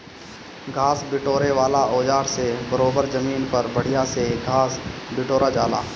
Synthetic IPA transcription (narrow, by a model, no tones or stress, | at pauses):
ɡʱaːsbɪʈoːɾeʋaːlaʔoːd͡ʒaːɾsebɐɾoːbəɾzɐmiːnpɐɾbɐɽ̤ijaseɡʱaːsbɪʈoːɾad͡ʒaːla̰ː